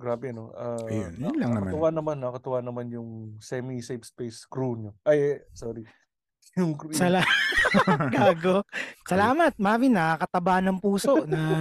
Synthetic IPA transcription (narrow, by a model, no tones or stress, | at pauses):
ɡɾaːbɛno̰ʔɐɐjonlɐŋɐkɐmt̪ʊwanɐmanːɐkɐt̪ʊwanɐmanjʊŋsɛmisepspejskɾunoʔɐjsoːɾi | jʊŋksɐla | ɡaːɡosɐlaːmɐt̪̚maːminɐakɐt̪ɐbaːnɐŋpuːso̞ʔnɐ